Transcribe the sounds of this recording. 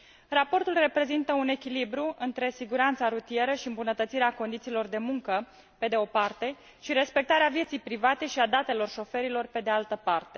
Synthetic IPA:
rapo̞rt̪ulre̞pɾe̞zint̪əune̞kʲilibɾuɨnt̪ɾe̞siɡuɾant̪saɾut̪ije̞ɾəʃiɨmbunət̪ət̪siɾeako̞nd̪it̪siːlo̞rd̪e̞muŋkə | pe̞d̪e̞o̞part̪e̞ | ʃiɾe̞spe̞k̚t̪aɾeavje̞t̪sijpɾivat̪e̞ʃiad̪at̪e̞lo̞rʃo̞fe̞ɾilo̞rpe̞d̪ealt̪əpart̪e̞̥

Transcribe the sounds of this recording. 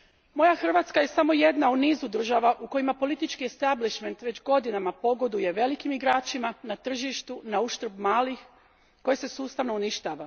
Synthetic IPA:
mo̞jaxr̩ʋaːt̪skaje̞samo̞je̞d̪nauniːzud̪r̩ʒaʋaʔuko̞jimapo̞lit̪it͡ʃkie̞st̪abliʃme̞nt̪ʋe̞d͡ʑɡo̞d̪inamapo̞ɡo̞d̪uje̞ʋe̞likimiɡɾaːt͡ʃimanat̪r̩ʒiʃt̪unauʃt̪ɾobmaːlix | ko̞jese̞suːst̪aʋno̞uniʃt̪aːʋa

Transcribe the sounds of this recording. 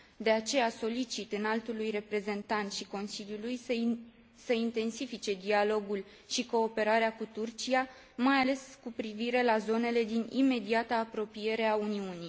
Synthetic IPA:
d̪e̞at͡ʃe̞jaso̞lit͡ʃit̪ɨnalt̪ulujre̞pɾe̞ze̞nt̪ant̪ʃiko̞nsiljuluj | səint̪e̞nsifit͡ʃe̞d̪ialo̞ɡul | ʃiko̞ːpe̞ɾaɾeakut̪urt͡ʃija | majale̞skupɾiviɾe̞lazo̞ne̞le̞d̪inḭme̞d̪iat̪aːpɾo̞pije̞ɾe̞auniuni

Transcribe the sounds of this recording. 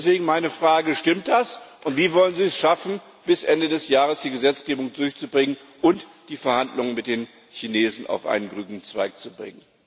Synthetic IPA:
sv̥eːɡŋ̩maɪnəfʁ̥aːɡəʃtɪmt̚d̥asʔʊntv̥iːvɔlənziːɛsʃafn̩ | b̥ɪsʔɛndədɛsjaːʁəsd̥iːɡəzɛt͡sɡ̥eːbʊŋdʊɐçt͡subʁɪŋən | ʔʊntd̥iːfɛɐhandlʊŋənmɪt̚d̥eːn | çineːzn̩a̰ʊfʔa̰ɪnənɡʁyːɡnŋ̩t͡sv̥aɪk̚t͡subʁɪ̰ŋən

